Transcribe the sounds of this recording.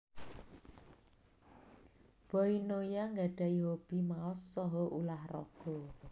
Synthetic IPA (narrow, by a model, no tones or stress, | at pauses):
b̥ɔ̤inojaŋɡaɖ̥a̤iɦob̥i̤maɔsːɔɦɔʔulahrɔ̰ɡ̥ɔ̤